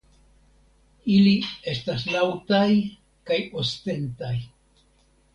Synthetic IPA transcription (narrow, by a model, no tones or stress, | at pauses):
ilie̞staslawtaj | kajoste̞ntaj